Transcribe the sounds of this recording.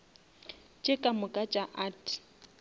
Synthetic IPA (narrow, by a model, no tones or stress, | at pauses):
t͡ʃʼekʼamʊkʼat͡ʃʼaʔaːtʰ